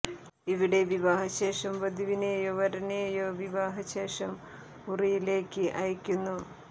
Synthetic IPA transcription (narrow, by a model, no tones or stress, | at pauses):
iʋiɽe̞ʋiʋaːɦɐɕe̞ːʂɐmʋɐd̪ʱiʋineːjoʋɐɾɐneːjoːʋiʋaːɦɐɕe̞ːʂɐm | urijile̞ːkːɨʔɐjɐkʲːunːu